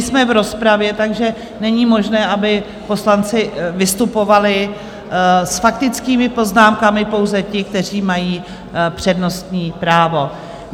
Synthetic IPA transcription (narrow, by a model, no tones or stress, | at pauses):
smɛvɾo̞spɾavjɛt̪aɡʒɛ | nɛɲiːmo̞ʒnɛːʔabɪ | po̞slant͡sɪvɪst̪upo̞valɪ | sfakt̪ɪt͡skiːmɪpo̞znaːmkamɪpo̞wzɛcɪk̚t̪ɛr̝iːmajiː | pr̝̥ɛdno̞st̪ɲiːpɾaːvo̞